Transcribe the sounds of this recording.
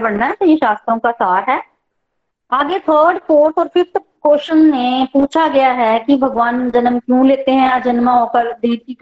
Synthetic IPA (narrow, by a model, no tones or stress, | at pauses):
bɐɽnaɦɛsɐɦiʃaːst̪ɾõkasaːɾɦɛː | aːɡet̪ʰəːɾɖfoːɾʈɔːɾfɪft̪ʰkoːʃənːepuːt͡ʃʰaɡɐjaɦɛkibʱɐɡʋaːnd͡ʒɐnəmkjũːleːt̪eɦɛ̃ad͡ʒɐnmaɔːkəɾd̪iːɾ̚kik